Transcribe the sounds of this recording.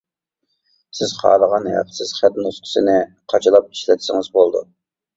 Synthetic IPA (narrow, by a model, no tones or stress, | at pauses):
sɪz̥χʰɑ̰ːləʁɑnhɛ̰qʰsɪz̥χæt̪nusqʰə̥sɪnɪqʰɑt͡ʃʰɑlˠɑp̚i̥ʃlɛt̪ʰɪsɪŋɨzbolˠd̪ṵ